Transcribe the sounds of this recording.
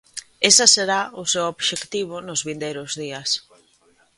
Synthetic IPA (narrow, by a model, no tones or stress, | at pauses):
esaseɾaʊsewoβʃekt̪iβ̞ʊnʊzβind̪ejɾʊzðiɐs